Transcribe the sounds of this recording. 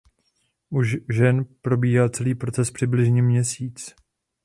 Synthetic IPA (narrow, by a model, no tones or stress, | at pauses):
ʔuʃʒɛnpɾo̞biːɦaːt͡sɛliːpɾo̞t͡sɛspr̥ɪblɪʒɲɛmɲɛsiːt͡s